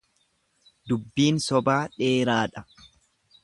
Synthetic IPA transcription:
d̪ʊbːiːnsɔbaːᶑeːɾaːᶑɐ

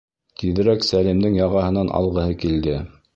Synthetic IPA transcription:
t̪iðɘ̆ɾæksælimd̪ɘŋjɑʁɑɦɤ̆nɑnʔɑ̰lˠʁɤ̆hɤkild̪ɘ

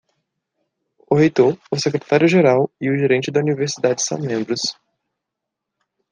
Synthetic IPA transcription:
ʊɦejt̪oɾʊsekɾet̪aɾjʊʒeɾawiʊʒeɾẽnt͡ʃɪd̪ɐuniveɾsid̪ad͡ʒɪsɐ̰̃w̃mẽmbɾʊs

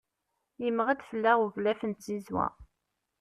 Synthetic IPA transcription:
jəmʁæd̪fəlːæʁuvlæfənsizwæ̰

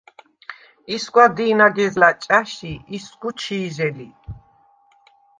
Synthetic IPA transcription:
isɡwad̪iːnaɡɛzlat͡ʃʼaʃiisɡut͡ʃʰiːʒɛli

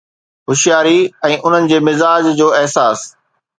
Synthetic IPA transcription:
ɦʊʃjaːɾiɛ̃ːʔʊn̤ənɪ̆d͡ʑeːmɪzaːd͡ʑd͡ʑoːɪɦsaːs

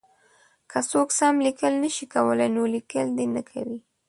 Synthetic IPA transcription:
kʰəsoksamlikəlnəʃikawəlajnolikəld̪enəkʰa̰wi

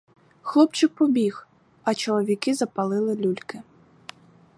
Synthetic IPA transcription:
xlˠɔpt͡ʃɪk̚pɔbʲix | ɐt͡ʃɔlˠɔʋʲikɪzɐpɐlˠɪlˠɪlʲulʲkɪ

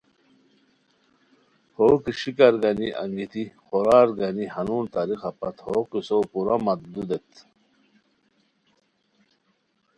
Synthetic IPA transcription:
hoːkiɕikɐɾɡaniʔa̰ŋɡit̪iχoɾaːɾɡanihanunt̪aɾixɑpɐt̪hokisopuɾamɐt̪̚d̪ud̪et̪

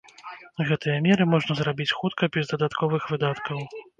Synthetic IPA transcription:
ɣɛt̪ʰɐjɐmʲɛɾɨmɔʐnɐzɾabʲit͡sʲxut̪kʰɐbʲɛzd̪ɐd̪at̪kʰɔvɨxvɨd̪at̪kɐw

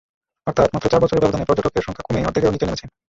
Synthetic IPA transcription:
ɔɾt̪ʰat̪mat̪ːɾot͡ɕaɾbɔt͡ɕʰoɾeɾbɛbod̪ʱanepɔɾd͡ʑoʈokːeɾʃɔŋkʰakomejɔ̰ɾt̪ʰikeonit̪enemet͡ɕʰen

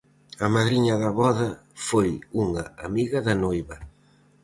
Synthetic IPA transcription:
ɐmaðɾiɲɐðɐβɔðɐfojuŋɐamiɣɐðɐnojβɐ

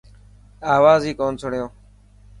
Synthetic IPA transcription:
aːʋaːziːkoːnt͡sʰəɽ̤ɪjõː

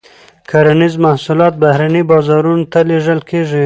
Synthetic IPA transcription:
kʰaɾanizmahsulɑt̪̚bahɾanibɑzɑɾunot̪aleʐəlkeʐi

